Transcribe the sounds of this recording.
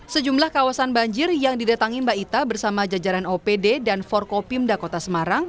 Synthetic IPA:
səd͡ʒumlahkawasanbaɲd͡ʒɪrjaŋdidat̪aŋimbait̪abərsamad͡ʒad͡ʒaɾanopededanfɔrkopimdakot̪asəmaɾaŋ

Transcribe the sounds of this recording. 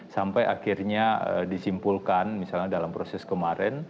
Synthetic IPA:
sampaja̰kirɲaədisimpulkanmisalɲadalampɾosɛskəmaɾɛn

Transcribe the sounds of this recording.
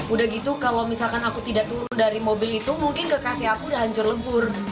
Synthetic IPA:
udahɡit̪ukalawmisalkanakut̪idaʔt̪uɾʊndaɾimobɪlit̪umuŋkɪnkəkasiakudaɦaɲt͡ʃʊrləbʊr

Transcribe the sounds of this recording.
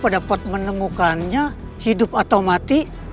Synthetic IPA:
padapɔt̪̚mənəmukanɲa | hidʊpat̪awmat̪i

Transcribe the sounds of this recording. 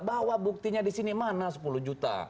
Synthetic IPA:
bawabuk̚t̪iɲadisinimanasə̥puluhd͡ʒut̪a̰

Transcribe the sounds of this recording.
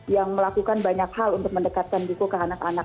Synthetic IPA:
jaŋməlakukanbaɲakhalunt̪ʊk̚məndəkat̪̚kanbukukəanakana

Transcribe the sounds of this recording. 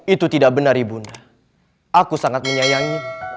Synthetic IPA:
it̪ut̪idak̚bənardibunda | ʔakusaŋat̪̚məɲajaŋi

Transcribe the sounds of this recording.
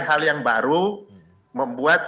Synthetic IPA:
ɦaljaŋbaɾu | məmbuat̪̚

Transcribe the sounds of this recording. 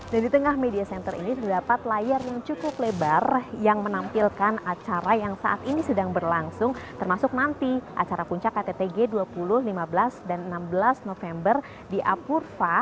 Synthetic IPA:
dandit̪əŋahmediasɛnt̪ərḭnit̪ərdapat̪lajarjaŋt͡ʃukʊplebarjaŋmənampilkanat͡ʃaɾajaŋsa̰ʔat̪inisədaŋbərlaŋsʊŋt̪ərmasʊk̚nant̪iʔa̰t͡ʃaɾapuɲt͡ʃakːat̪et̪eɡeduapulʊhlimabəlasdanənambəlasnofɛmbər | diʔapurfa

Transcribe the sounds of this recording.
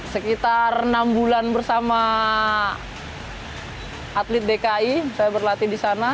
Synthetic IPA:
səkit̪arnambulanbərsama | at̪lɪt̪̚dekaisajabərlat̪idisana

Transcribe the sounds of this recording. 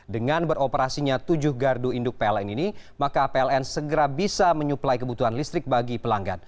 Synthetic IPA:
dəŋanbəɾopəɾasiɲat̪ud͡ʒʊhɡarduindʊk̚peɛlɛninimakapeɛlɛnsəɡəɾabisaməɲuplajkəbut̪uɦanlist̪ɾɪk̚baɡipəlaŋɡa̰t̪̚

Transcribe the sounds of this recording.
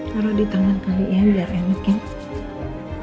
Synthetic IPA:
kaɾadit̪aŋankalijabiarjaŋmukɪn

